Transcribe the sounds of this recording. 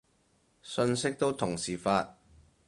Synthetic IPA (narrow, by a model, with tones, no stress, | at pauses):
sɵ˧nsɪ˥k̚t̪o˥wt̪ʰʊ˨˩ŋsiː˨˩faː˧t̚